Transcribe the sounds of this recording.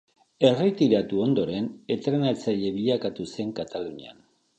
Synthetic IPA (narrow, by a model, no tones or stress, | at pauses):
e̞rit̪iɾat̪uo̞nd̪o̞ɾe̞ne̞t̪ɾe̞nat͡saʎe̞βiʎakat̪use̞ŋkat̪alunia̰n